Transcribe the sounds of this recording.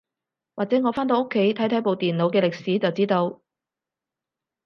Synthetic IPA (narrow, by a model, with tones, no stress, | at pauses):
waː˨k̚t͡sɛː˨˥ŋɔː˨˧faː˥nt̪̬o˧wo˥kʰːe˨˥jt̪ʰɐ˨˥jt̪ʰɐ˨˥jpo˨˧wt̪iː˨nlo˨˧wkɛː˧lɪ˨k̚siː˨˥t͡sɐ˨wt͡siː˨˥t̪o˧w